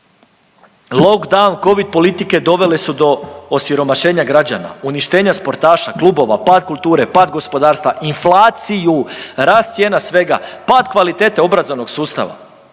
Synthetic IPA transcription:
lˠo̞kd̪awnko̞ʋid̪̚po̞lit̪ike̞d̪o̞ʋe̞lesud̪o̞osiɾo̞maʃe̞ːɲaɡɾad͡ʑa̰na̰uniʃt̪e̞ːɲaspo̞ɾt̪aːʃaklˠuːbo̞ʋa̰paːd̪̚kulˠt̪uːɾe̞paːd̪ɡo̞spo̞d̪aːɾst̪ʋaʔinflˠaːt̪sijuɾaːst̪sjenasʋe̞ɡa̰paːd̪kʋalit̪e̞t̪eo̞bɾazoʋno̞ɡsuːst̪a̰ʋa̰

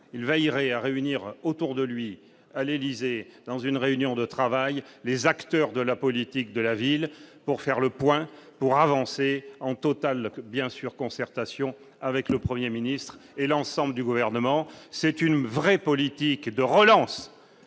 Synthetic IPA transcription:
ilvɛjʁɛaʁeyniʁot̪uʁd̪əlɥi | alelized̪̥ɑ̃zynʁeynjɔ̃d̪ət̪χavajlezakt̪œʁd̪əlapɔlit̪ik̚d̪əlavilpuʁfɛʁləpwɛ̃puʁavɑ̃seɑ̃t̪ɔt̪albjɛ̃syʁkɔ̃sɛʁt̪asjɔ̃ | avɛkləpχəmjeminist̪χelɑ̃sɑ̃bləd̪yɡuvɛʁnəmɑ̃sɛt̪ynvʁɛpɔlit̪ikd̪əʁəlɑ̃s

